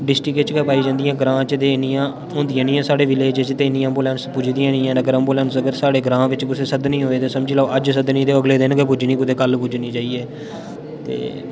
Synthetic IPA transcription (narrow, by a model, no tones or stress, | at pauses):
ɖɪsʈɾɪket͡ʃkəpaːiːd͡ʒãːnd̪ijãːɡɾãːt͡ʃt̪eːɪnijãː | ʊnd̪ɪjãːnĩːãːsaːɽeːʋɪleːd͡ʒt͡ʃt̪eːɪniːəmbuːlɛ̃ːnspʊd͡ʒd̪iːãːnĩːãːnəɡəɾəmbuːlɛ̃ːnsəɡəɾsaːɽeːɡɾãːʋɪt͡ʃkʊseːsəd̪nĩːɦoːeːt̪eːsəmd͡ʒiːlaːʔəd͡ʒsəd̪nĩːd̪eːəɡleːd̪ɪnkepʊd͡ʒniːkʊd̪eːkəlpʊd͡ʒniːd͡ʒaːieː | t̪ḛː